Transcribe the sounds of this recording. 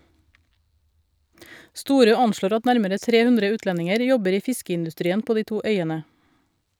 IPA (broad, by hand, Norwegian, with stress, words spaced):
ˈstuːɾøː ˈɑnʃloːɾ ˈɑt ˈnæɾməɾə ˈtɾeː ˈhʉndɾə ˈʉːtlɛnɪŋəɾ ˈjɔbəɾ ˈiː ˈfɪskəɪndʉˌstɾiːən ˈpoː ˈdiː ˈtuː ˈœʏənə